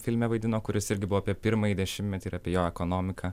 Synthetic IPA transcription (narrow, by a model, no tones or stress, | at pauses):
fʲɪlʲmʲɛʋɐɪd̪ʲɪnoːkʊɾʲɪsɪɾʲɡʲɪbʊʋoːpʲiɛpʲɪɾmɐjid̪ʲɛʃʲɪmʲtʲmʲɛt̪ʲiɪːɾɐpʲiɛjoːɛkoːnoːmʲɪkʰɑː